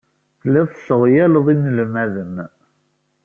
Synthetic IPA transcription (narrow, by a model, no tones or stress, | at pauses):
θlːæðsəʁjæləðˤinəlmæðən